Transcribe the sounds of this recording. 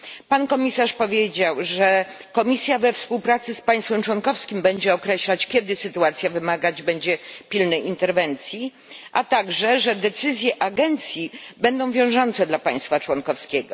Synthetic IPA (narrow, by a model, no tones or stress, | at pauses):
pankɔmʲisaʂpɔvʲjed͡ʑawʐɛkɔmʲisʲjavɛfspuwpɾat̪sɘspaj̃st̪fɛmt͡ʂwɔnkɔfskʲimbɛɲd͡ʑɛɔkɾɛɕlat͡ɕkʲjɛd̪ɘsɘt̪uat̪sʲjavɘmaɡad͡ʑbɛɲd͡ʑɛpʲilnɛjint̪ɛɾvɛnt̪sʲji | ʔat̪aɡʐɛʐɛd̪ɛt̪sɘzʲjɛʔaɡɛnt̪sʲjibɛnd̪ɔ̃w̃vʲjɔ̃w̃ʐɔnt̪sɛd̪lapaj̃st̪fat͡ʂwɔnkɔfskʲeɛɡɔ